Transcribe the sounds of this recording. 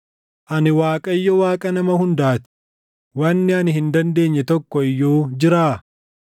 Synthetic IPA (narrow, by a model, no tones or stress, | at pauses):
ʔɐnɪwaːkʼɐɪjːɔwaːkʼɐnɐmɐhʊnd̪aːt̪ɪ̥ | wɐnːɪɐnɪhɪnd̪ɐnd̪e̞ːɲːɛt̪ɔkːɔɪjːoːd͡ʒɪɾaː